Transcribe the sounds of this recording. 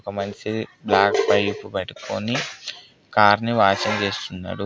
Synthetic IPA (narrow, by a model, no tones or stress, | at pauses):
ɔkɐmɐɲt͡ʃiblaːkpɐjipːupɐʈikʰo̰ːni | kaːɾniʋaːt͡ʃɐnt͡ʃe̞ːst̪unːa̰ːɽu